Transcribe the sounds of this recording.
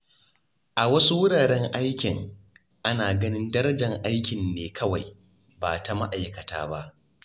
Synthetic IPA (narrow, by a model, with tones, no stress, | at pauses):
ʔa˨wɐ˦su˦wʊ˦ɽaː˨ɽɛ˦ŋʔa˦jkʲɪ˨ŋ | ʔa˦naː˨ɡɐ˦nɪ˦ndɐ˦ɾɐ˦d͡ʒɐ˨ŋʔa˦jkʲɪ˨nːeː˨kʰɐ˦wa˨j | baː˨ta˨ma̰˦ʔa˨jkɐ˨ta̰ː˦ba˦ʔ